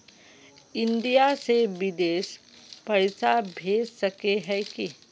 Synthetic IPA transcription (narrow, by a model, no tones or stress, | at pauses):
ɪ̃nɖ̪ijaseʋɪd̪eːʃ | pɐɽsabʱeːd͡ʒsɐkeɦɛ̃ki